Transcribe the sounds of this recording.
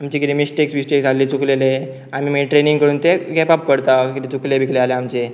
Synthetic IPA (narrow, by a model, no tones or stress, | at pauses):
amt͡ɕikit̪emisʈeksmisʈeksalːit͡suklele | amiːmiʈɾeniŋkəɽuːnt̪eɡɛpap̚kəɾt̪akit̪et͡suklebʱikʰlealeamt͡ɕe